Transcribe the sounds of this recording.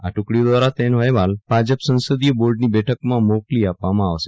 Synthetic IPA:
aʈukɽjid̪ʋaɾat̪enʋəjʋalbʱad͡ʑəpsə̃w̃səd̪ijəboɾɖniːbɛʈʰəkmãmokliːapːamãːʋse̥

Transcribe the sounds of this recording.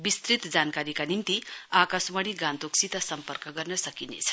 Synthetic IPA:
bist̪ɾit̪d͡zankaɾikanint̪iakasmʌɽ̃iɡãnt̪oksit̪ʌsʌmpʌrkʌɡʌrnʌsʌkinḛt͡sʰʌ̥

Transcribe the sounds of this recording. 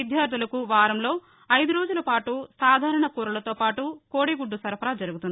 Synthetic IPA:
id̪ʱjaːɾd̪ulɐkuʋaːɾɐmlo̞ː | ɐjd̪uɾo̞ːd͡ʒulɐpaːʈusaːd̪ʱaːɾɐɳɐkuːɾɐlɐt̪o̞ːpaːʈukoːɽiɡuɖːusɐɾɐpʰɐɾad͡ʒɐɾuɡut̪uni

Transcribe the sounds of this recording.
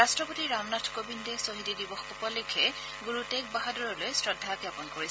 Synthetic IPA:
astɹɔpotiɹamnatʰkobindesoɦididibɔxupɔlekʰɛ | ɡuɹutɛk̚baɦadɔɹɔlojsɹɔdʱːakjapɔnkoɹis

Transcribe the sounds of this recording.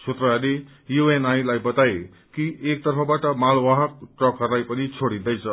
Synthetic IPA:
t͡sʰot̪rʌɦale | juenajlajbʌt̪ae | kiʔek̚t̪ʌrpʰʌbaʈʌmalwaɦʌk̚ʈrʌkɦʌrulajpʌnit͡sʰoɽid̪ʌjt͡sʰʌ

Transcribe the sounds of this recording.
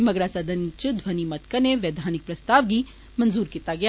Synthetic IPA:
mɐɡɾasɐd̪ʱənit͡ʃʊd̪ʱʋɐnimɐt̪kɐneʋeːd̪ʱaːnɪk̚pɾɐst̪aːʋɡi | mɐ̃nzuːɾkiːt̪aɡɐj

